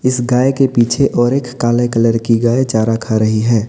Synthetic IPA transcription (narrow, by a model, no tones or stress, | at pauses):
ɪsɡaːekepiːt͡ʃʰeʔɔːɾeːkːaːlekɐləɾkiɡaːet͡ʃaːɾakʰaɾɐɦiɦɛː